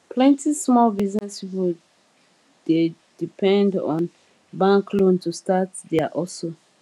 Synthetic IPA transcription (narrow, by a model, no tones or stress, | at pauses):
pʰlɛ̃ntismɔlbiznɛspipo | de | dipʰɛ̃ndɔ̰̃n | bãŋkʰlõntustatdɛaʔɔlso